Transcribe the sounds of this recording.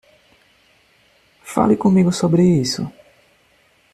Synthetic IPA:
fa̰lɪkõmiɡʊsobɾɪisʊ̰

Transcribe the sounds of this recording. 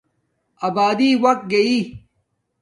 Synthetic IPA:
ɐbaːd̪iwɐk̚t̪̚ɡɐi

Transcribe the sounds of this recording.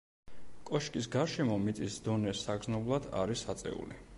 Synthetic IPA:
kʼɔʃkʼis̬ɡaɾʃɛmɔmit̪sʼisd̪ɔnɛsaɡznɔblˠad̪a̰ɾisat̪sʼɛ̰ṵli

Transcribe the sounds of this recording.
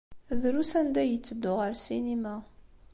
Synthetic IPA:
ðɾusænd̪æjət͡sːəd̪ːʊʁəɾsinima

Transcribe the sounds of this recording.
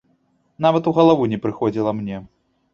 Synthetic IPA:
navɐt̪uɣɐlˠavunʲɛpɾɨxɔd͡zʲilˠɐmnʲɛ

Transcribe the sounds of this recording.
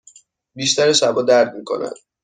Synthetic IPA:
biːʃt̪ʰæɾesæbɒːd̪æɾd̪miːkʰo̰næ̰d̪̥̚

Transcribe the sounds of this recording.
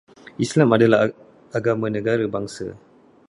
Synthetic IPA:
ʔislamadala | aɡamãnə̃ɡaɾabaŋsa̰

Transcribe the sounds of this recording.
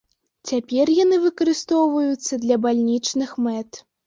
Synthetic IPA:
t͡sʲapʲɛrjan̪ɨvɨkɐɾɨst̪ɔwvɐjut̪sːɐd̪lʲɐbalʲnʲit͡ʂnɨxmɛt̪

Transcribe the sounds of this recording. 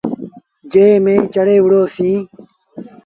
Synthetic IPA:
d͡ʒeːmẽːt͡ʃəɽeːʋʊɽoːsĩː

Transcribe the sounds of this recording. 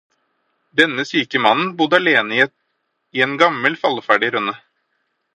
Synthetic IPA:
d̪ɛnːəsyːkəmɑnn̩bʊd̪ɑleːnəi | ienɡɑməlfɑlfæːɖɪɾʉnːə

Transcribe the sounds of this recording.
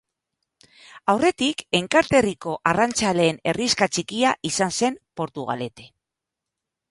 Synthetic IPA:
awre̞t̪ike̞ŋkaɾt̪e̞riko̞ʔarant͡sale̞ːne̞riskat͡ʃikiaʔisanse̞mpo̞ɾt̪uɣa̰le̞t̪e̞̥

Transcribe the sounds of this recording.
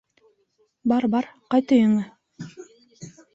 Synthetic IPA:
bɑɾbɑɾqɑjt̪ɤjɤ̆ŋɤ

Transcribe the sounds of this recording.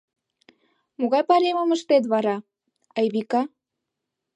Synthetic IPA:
moɣɑjpɑɾeməməʃt̪et̪̬βɑɾɑ | ɑjβikɑ

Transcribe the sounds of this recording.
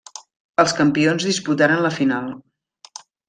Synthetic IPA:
əlˠskəmpionzðisput̪aɾənləfinalˠ

